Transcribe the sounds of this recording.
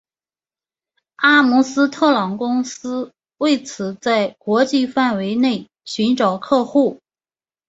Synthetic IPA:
a˥mu˧˥sɹ̩˥t̪ʰɤ˥˩lɑ˧˥˩ŋkʊ˥ŋsɹ̩˥ | we˥˩ɪt͡sʰɹ̩˨˩t͡sa˥˩ɪkwɔ˧˥t͡ɕi˥˧fa˥˩nwe˧˥ɪne˥˩ɪ | ɕy˧˥nʈ͡ʂɑ˨˩ʊkʰɤ˥˧xu˥˩

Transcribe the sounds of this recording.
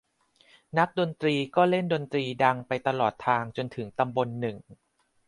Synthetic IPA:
na˦˥k̚do˧nt̪ɾiː˧kɔː˥˩le˥˩ndo˧nt̪ɾiː˧da˧ŋpa˧jt̪a˧lɔː˨˩t̪ʰːaː˧ŋt͡ɕo˧nt̪ʰɯ˩˦ŋt̪a˧mbo˧nːɯ˨˩ŋ

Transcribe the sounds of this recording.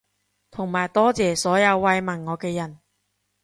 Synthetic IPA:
t̪ʰʊ˨˩ŋmaː˨˩jt̪ɔː˥t͡sɛː˨˧sɔː˨˥jɐ˨˧wːɐ˧jmɐ˨˩nŋɔː˨˧kɛː˧jɐ˨˩n

